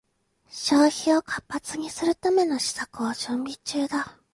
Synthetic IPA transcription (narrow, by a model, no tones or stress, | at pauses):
ɕoːçio̞kʰapːat͡sɨɲ̟isɨɾɯ̟t̪ame̞no̞ɕi̥sakɯ̟aʑɨ̃mbʲit͡ɕɨːd̪a